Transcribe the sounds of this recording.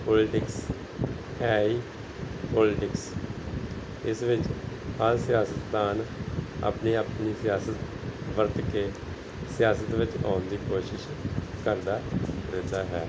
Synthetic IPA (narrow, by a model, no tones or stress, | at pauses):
poːlɪʈɪks | ɛːiː | poːlɪʈɪks | ɪsʋɪt͡ʃhalsɪjaːsət̪d̪aːna̰ːpniːaːpniːsɪjaːsət̪ | ʋəɾt̪keː | sɪjaːsət̪ʋɪt͡ʃãːnd̪iːkoːʃɪʃ | kəɾd̪aːɾɪd̪aːɦɛː